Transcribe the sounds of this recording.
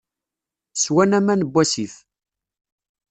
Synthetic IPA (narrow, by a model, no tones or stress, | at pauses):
swænæmænəbːæsiθ